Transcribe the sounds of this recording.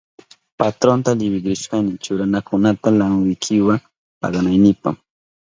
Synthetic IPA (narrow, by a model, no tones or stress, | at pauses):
pat̪ɾont̪alɪwɪɡɾɪʃkanɪt͡ʃʊɾanakʊnat̪alamʊjkʰɪwaŋ | pa̰ɢɑnajnɪpa̰χ